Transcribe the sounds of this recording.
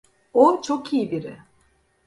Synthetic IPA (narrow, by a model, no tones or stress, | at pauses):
ot͡ʃʰokʰijibiɾɪ̰